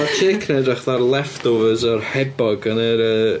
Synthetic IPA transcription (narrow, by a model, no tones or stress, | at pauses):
at͡ʃʰeːkʰnɛdaχðarlˠɛftovəzɔrhɛbɔɡənəɾə